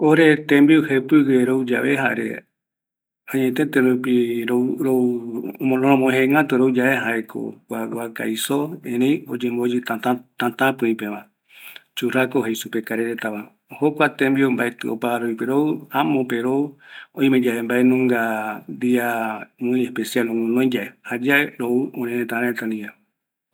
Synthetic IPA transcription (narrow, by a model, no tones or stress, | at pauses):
oɾet̪ẽmbiohepɨɡeɾowd͡ʒa̰βeɦaɾḛ | ãɲẽt̪et̪eɾupiɾoɾomõnõɾõmõẽɦẽŋɡãt̪oɾowd͡ʒaʔeɦaekʰo̰kʷawaka̰jsoẽɾẽj̃od͡ʒembod͡ʒɨt̪at̪ãt̪ãt̪ãpɨ̃ĩpeʋa | t͡ʃuɾakoɦejsupekaɾeɾet̪aβa | hokʷat̪ẽmbiombaet̪ɨo̰paɾoipeɾoɨãmõpeɾoõĩmẽd͡ʒaembaenũŋɡand̪iamɨ̃j̃ehpesialõmõnõj̃d͡ʒaehad͡ʒaeɾouõɾẽɾet̪ãɾãet̪ãnd̪ia